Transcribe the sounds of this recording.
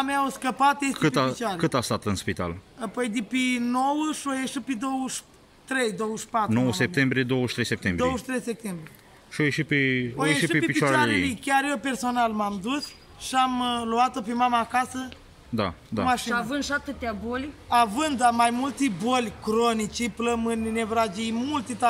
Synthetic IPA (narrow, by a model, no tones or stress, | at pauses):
ameawskəpat̪jeskɨt̪at͡ʃaɾekɨt̪ast̪at̪ɨnspit̪a̰lapojd̪epinowəʃiojeʃiped̪owəʃ | t̪ɾe̞jd̪o̞wəʃpat̪nɾnowəsep̚t̪embɾijed̪owəʃt̪ɾejsep̚t̪embɾiowəʃt̪ɾejsep̚t̪embɾie | ʃiojeʃit̪̚peojeeʃiʃpepit͡ʃaɾalelekʲarjewpe̞rso̞nalmamd̪us | ʃiamluat̪o̞pemamaːkasə | d̪ad̪amaʃiavɨnd̪ʃat̪ɨt̪eabolʲavɨnd̪amajmult̪ebolʲkɾonit͡ʃipləmɨnʲnevɾad͡ʒijmult̪et̪a